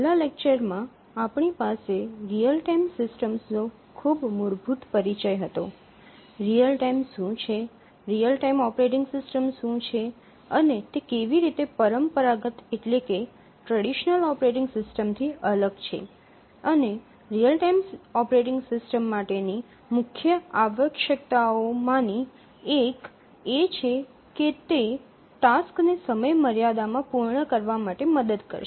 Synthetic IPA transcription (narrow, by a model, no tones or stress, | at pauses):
lalek̚t͡ʃəɾmã | apɳipaseɾijəlʈajmsɪsʈəmsno | kʰubmʊɾbʱut̪pəɾit͡ʃəjɦət̪o | ɾijəlʈaimʃũt͡ʃʰe | ɾijəlʈaimɔpɾeʈɪŋɡsɪsʈəmʃũt͡ʃʰe | ənet̪ekeʋiɾit̪epəɾəmpəɾaɡət̪eʈleke | ʈɾəɽiʃnəlɔpɾeʈɪ̃ŋɡsɪsʈəmt̪ʰiʔələɡt͡ʃʰḛ | əne | ɾijəlʈajmsɔpɾeʈɪ̃ŋɡsɪsʈəmːaʈeni | mʊkʰjəaʋəkʃəkt̪aomãni | ek | et͡ʃʰe | ket̪e | ʈasknesəməjməɾjad̪amãpuɾɳəkəɾʋamaʈeməd̪əd̪kə̰ɾʃe